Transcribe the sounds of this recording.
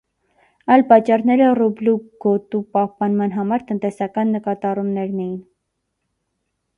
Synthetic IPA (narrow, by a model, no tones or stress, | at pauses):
ɑjlpɑt͡ʃːɑrnɛɾərubluɡ̥ɔt̪upɑhpɑnmɑnɦɑmɑɾt̪ənt̪ɛsɑkɑnːəkɑt̪ɑrumnɛɾnɛjin